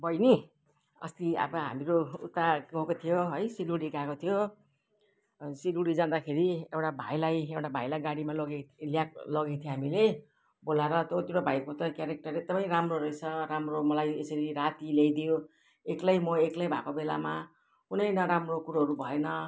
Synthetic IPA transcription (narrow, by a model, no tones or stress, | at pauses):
bʌjni | ʌ̰st̪ia̰bʌɦa̰miɾout̪ːaɡʌɦkot̪ʰijoɦʌjsiluɽikakot̪ʰijo | siluɽid͡zãd̪akʰeɾiewʈabʱajlajewʈabʱajlajɡaɽimalʌɡeljaklʌɡet̪ʰjoɦamile | bolaɾʌt̪ot̪ewʈabʱajkot̪ʌkjaɾek̚ʈʌreɡ̚d̪ʌmʌjɾamroɾʌjt͡sʰʌɾamromʌlajesʌɾiɾat̪ilejd̪ijo | eklajmʌeklajbʱakobela̰ma | kunʌjnʌɾamrokuɾaɦʌɾubʱʌenʌ